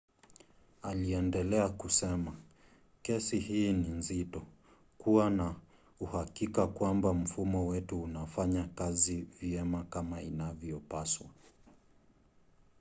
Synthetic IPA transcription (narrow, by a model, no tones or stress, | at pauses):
aliɛndɛlɛakusɛma | kɛsihiːninzitɔ | kuwana | uhakikakwambam̩fumɔwɛtuːnafaɲakaziviɛmakamainavjɔpaswa